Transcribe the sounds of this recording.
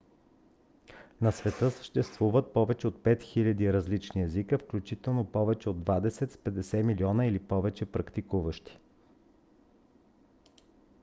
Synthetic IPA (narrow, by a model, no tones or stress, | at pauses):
nɐsvɛt̪ɤsə̥ʃt̪ɛst̪vuvət̪̚pɔvɛt͡ʃɛot̪̚pɛt̪xilʲɐd̪iɾɐzlit͡ʃniɛzikəfklʲut͡ʃit̪ɛlˠnopɔvɛt͡ʃɛod̪ːvad̪ɛsɛt̪spɛd̪ɛsɛmiliɔnəilipɔvɛt͡ʃɛpɾɐkt̪ikuvəʃt̪i̥